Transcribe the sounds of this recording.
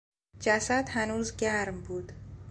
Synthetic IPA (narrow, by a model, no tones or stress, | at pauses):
d͡ʒæsæd̪hænuːzɟæɾmbuːd̪̥